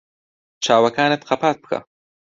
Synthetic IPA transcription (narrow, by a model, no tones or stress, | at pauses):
t͡ʃʰaːwɐkaːnet̪qʰapaːt̪̚bɨ̥kʰa̰